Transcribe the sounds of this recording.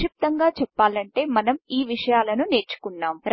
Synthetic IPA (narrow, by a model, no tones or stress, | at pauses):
ip̚t̪ɐŋɡaːt͡ʃɛpːaːlɐɳʈe̞ːmɐnɐmiːʋiʂɐjaːlɐnune̞ːɾt͡ʃu̥kunːaːmɾ